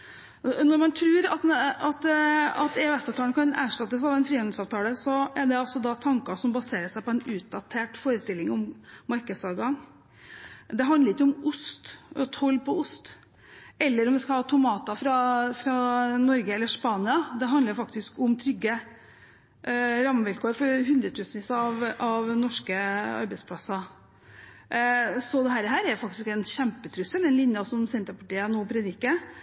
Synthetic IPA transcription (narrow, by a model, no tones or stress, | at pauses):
nɔɾmɑnt̪ʰɾʉːɾɑt̪ɑt̪ɑt̪ɛɛsɑʋt̪ʰɑːənəkʰɑnæ̰ːʂʈɑt̪ːəsɑʋɛnfɾiːɑn̩sɑːʋt̪ʰɑːləsɔɛɖɛɔsɔd̪ɑt̪ʰɑŋkɑʂɔmbɑseːɾəʂæɪpɔɛnʉːt̪̚d̪ɑt̪ʰeːʈfoːɾəst̪ɪlːɪŋɔmːɑɾkəd̪sɑʋɡɑŋ | d̪ɛɦɑnd̪əɾɪkːəʊmʊst̪ɔt̪ʰɔlːpɔʊst̪ | ʔɛlːəɾɔmʋɪskɑlhɑːt̪ʰʊmɑːt̪ɑfɾɑfɾɑnɔɾɡəɛlːəʂpɑːnɪɑd̪ɛɦɑnd̪əɾfɑkt̪ɪskʊmt̪ʰɾʏɡːə | ɾɑmːəʋɪlkʰoːɾfɔɾɦʉnd̪ɾət̪ʰʉːsn̩ʋiːsɑɑʋʔɑʋnɔʂkəɑ̰ɾbɛɪspʰlɑsːɑ | sɔd̪ɛɦæːɾəɦæːɾæjfɑkt̪ɪskɛnɕæmpət̪ʰɾʉsːəld̪ɛnlɪnjɑsɔmsɛnt̪əpɑʈiːənoːpʰɾɛd̪ɪkːə